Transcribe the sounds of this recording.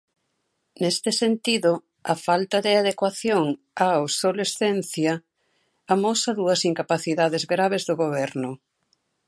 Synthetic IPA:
nest̪ɪsent̪iðʊ | ɐfalt̪ɐðɪaðekwaθjoŋ | aawsolesθenθjɐ | amɔsɐðuɐsiŋkapaθiðaðɪzɣɾaβ̞ezðʊɣoβɛɾnʊ

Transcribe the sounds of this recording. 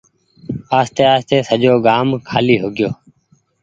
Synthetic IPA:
aːst̪eːaːst̪eːsəʄoːɡaːmkʰaːliːɦoːɡɪjoː

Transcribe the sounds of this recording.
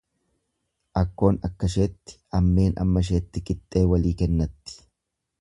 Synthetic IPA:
ʔɐkːo̞ːnɐkːɐʃe̞ːt̪ːɪ̥ɐmːe̞ːnɐ̰mːɐʃ̬e̞ːt̪ːɪkʼɪt̪ʼːe̞ːwɐliːkɛnːɐt̪ːɪ̥

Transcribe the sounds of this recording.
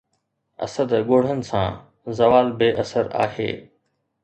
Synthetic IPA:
ɐ̰səd̪ɠoːɽ̤ənɪ̆sã̰ː | zɐʋaːlbeːʔɐsəɾa̰ːɦḛː

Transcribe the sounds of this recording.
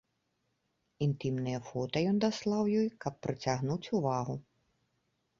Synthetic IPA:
int̪ɨmnɨjɐfɔt̪ɐjɔnd̪aslˠawjɔjkɐpːɾɨt͡sʲaɣnut͡sʲuvaɣu

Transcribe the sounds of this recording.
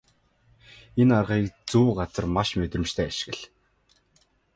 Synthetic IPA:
enarʁiːkt͡suːɢat͡sə̆rmaʃmet̪rɘ̆mt͡ɕt̪ʰæːaʃɪ̆ɣɘ̆ɮ

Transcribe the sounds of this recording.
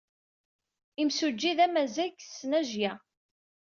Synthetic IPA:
imsud͡ʒːiðæmæzæɡsnæʒjæ

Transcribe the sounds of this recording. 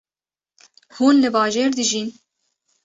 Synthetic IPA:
huːnlɨbɑːʒeːɾd̪ɨʒiːn

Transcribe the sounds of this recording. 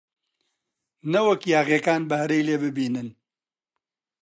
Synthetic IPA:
nɐwɐkjaːɣjekaːnbɐhɾejleːbɨbiːnɨn

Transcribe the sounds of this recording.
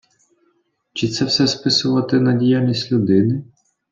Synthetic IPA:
t͡ʃɪt̪sɛwsɛspɪsʊʋɐt̪ɛnɐdʲijaisʲtʲlʲud̪ɪnɪ

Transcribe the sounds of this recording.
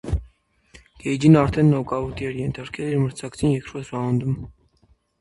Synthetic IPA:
ɡ̥ɛjd͡ʒinɑɾt̪ʰɛnːɔkʼɑvut̪ʰiɛɾjɛnt̪ʰɑɾkʰɛliɾməɾt͡sʰɑkt͡sʰinjɛkʰɾɔsɑɑnd̪um

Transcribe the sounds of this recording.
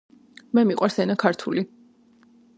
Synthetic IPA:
mɛmiqʼwaɾsɛnakʰaɾt̪ʰṵli

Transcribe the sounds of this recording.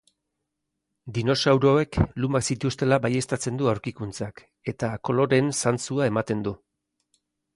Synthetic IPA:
d̪ino̞sawɾo̞e̞klumaksit̪ust̪e̞labaje̞st̪at͡se̞nd̪uawɾkikunt͡sak | e̞t̪ako̞lo̞ɾe̞nsant͡suae̞mat̪e̞nd̪u

